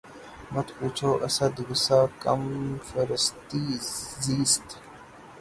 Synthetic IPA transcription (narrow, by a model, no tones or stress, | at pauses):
mɐt̪ʰuːt͡ɕʰoːʔɐsad̪uɡusaːkɐ̰mfəɾəst̪iːziːst̪